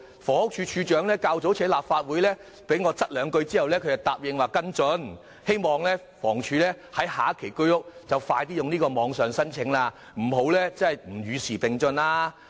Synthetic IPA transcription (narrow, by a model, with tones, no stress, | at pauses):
fɔː˨˩hʊ˥k̚t͡ʃʰyː˧t͡ʃʰyː˧t͡ʃœː˨˥ŋlɛː˥kaː˧wt͡so˨˥wt͡sʰɛː˨˥laː˨p̚faː˧t̚wu˨˥jlɛː˥ | pe˨˥jŋɔː˨˧t͡sɐ˥t̚lœː˨˧ŋkɵ˧ɥt͡siː˥hɐ˨wlɛː˥kʰɵ˧jɐ˨˩wt̪aː˨p̚jɪ˨˧ŋwaː˨˩kɐ˥nt͡ʃɔ˨˥n | he˥jmɔː˨˩ŋlɛː˥ | fɔː˨˩ŋt͡ʃʰyː˧lɛː˥ | hɐ˨˥jhaː˨˦kʰe˨˩jkɵ˥ɥʊ˥k̚t͡sɐ˨wfaː˧jt̪̬iː˥jʊ˨ŋniː˥kɔː˧mɔː˨˧ŋsœː˨ŋsɐ˥nt͡sʰɪ˨˥ŋlaː˧ | m̩˨˩ɦo˨˥wlɛː˥t͡sɐ˥ɐ˨˩jm̩˨˩jyː˨˧siː˨˩pɪ˨ŋt͡ʃɵ˧nlaː˧